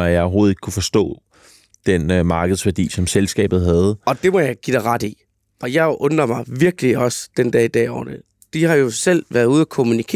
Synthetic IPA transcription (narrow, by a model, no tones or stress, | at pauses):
æjɑ̈ɪɒʊɦo̝ːð̩ˠeɡ̥̚ʰkʰːufɒ̽sd̥ɔ̰̽ː | d̥enmɑ̈ːɡ̥əð̞̩ˠsʋæɐd̥ḭːsɒ̽mselsɡ̥ɛ̰ːb̥ð̩ˠɦæð̞ˠɒ̽d̥e̝mɒjɑ̈ɪɡ̥ḭd̥ɑ̈ɪʁɑd̥ḭ | ɒ̽jɑ̈ɪʔɔ̽nɐmɑ̈ɪʋiɐɡ̥əliɒ̽sd̥end̥ɛ̰ɐid̥ɛ̰ːɒ̰ːn̥ə | d̥ihɑ̈jo̝sel̰ʋæːɐðˠuð̞̩̰ˠækʰo̝munikʰe